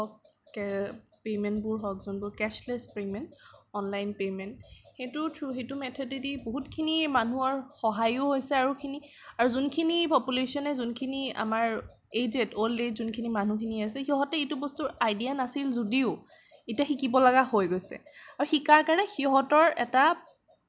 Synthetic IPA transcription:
ɔk̚ː | ɛpemɛntbʊɹɦɔk̚zunbʊɹkɛslɛspemɛntɔnlajnpemɛntxejtutʰɹuxetumɛtʰɔdidiboɦutkʰinimanuɔɹxɔɦajʊhojsɛaɹukʰini | aɹuzunkʰinipɔpulesɔnɛzunkʰinia̰maɹ | ezetoldetzunkʰinimanukʰiniajs̬ɛxiɦɔtɛejtubɔstuɹajdijanasilzodiʊ | etiaxikibɔlaɡaɦojɡojsɛ̰aɹuxikaɹkaɹnɛxiɦɔtɔɹɛ̰ta

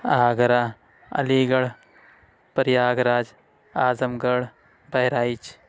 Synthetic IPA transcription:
aːɡɐɾa | ɐ̰liːɡɐɽ | pɐɾjaːɡɾaːd͡ʒ | aːzɐmɡɐɽ | bɐɦjɾaːit͡ʃ

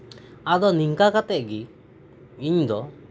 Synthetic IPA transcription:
ad̪ɔniŋkakat̪ɛʔ̚ɡi | iɲd̪ɔ

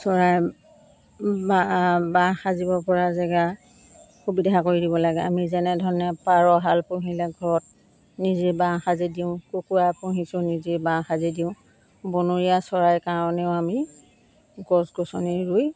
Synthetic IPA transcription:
sɔɹaj | babãxazibɔpɔɹazɛɡa | xubidʱakoɹidibɔlaɡɛa̰mizɛnɛdʱɔnapaɹɔɦalpʊɦilɛɡʱɔɹɔt̚ | nizibãŋxazidiʊ̃kokuapuɦisʊ̃nizibãxazidiʊ̃ | bɔnoɹijasɔɹajkaɹɔnɛʊami | ɡɔsɡɔsɔniɹuj

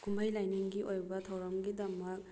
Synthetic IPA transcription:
kumbʱajlajniŋɡiʔojbɐtʰɐwɾɐmɡidɐmɐk̚

